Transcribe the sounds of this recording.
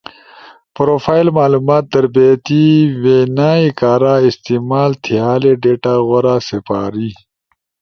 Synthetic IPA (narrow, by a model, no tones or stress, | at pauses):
pɾofaːjlmaːluːmaːt̪̚d̪ɐɾbet̪iweːnaːikaːɾaɪst̪imaːlt̪ʰijaːleɖeːʈaɣoɾasipaːɾi